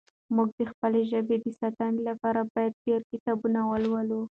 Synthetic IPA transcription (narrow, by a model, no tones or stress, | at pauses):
muɡ̚d̪əxpəleʒəbed̪əsat̪anlapɑɾabɑjad̪̚deɾkɪt̪ɑbunawəlwalu